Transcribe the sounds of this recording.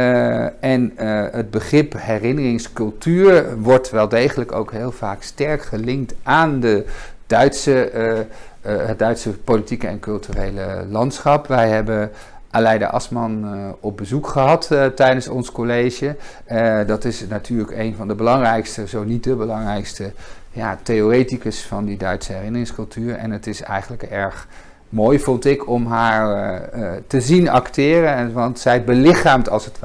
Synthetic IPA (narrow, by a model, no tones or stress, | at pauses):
ɛnəd̚bəχrɪpɦɛrɪnərɪŋskɵlˠtyːɹʋɔɹtʋɛlˠdejχələko̰wkɦɪːlˠv̥aːkstɛɹkχəlɪŋktaːndəd̥œɥtsə | ɦəd̚dœɥtsəpolitikəɛ̰nkɵlˠtyrejlə̰lɑntsχɑpʋɛjɦɛbə | ʔalɛjdə̰ʔɑ̰smɑnɔb̚bəzukχəɦɑttɛjdənsɔnskolejʒə | dɑtɪsnatʰyːɹləkejnvɑndəbəlɑŋrɛjkstəzownit̚dəbəlɑŋrɛjkstəjaːtejorejtikəsfɑndidœɥtsəɦɛrɪnərɪŋskɵlˠtyːɹɛ̰nətɪsɛ̰jχənləkɛɹχ | moːjvɔntɪkʰɔmɦaːɹ | təzinɑ̰ktɪːrəʋɑntsɛjbəlɪχaːmtɑlˠsətʋ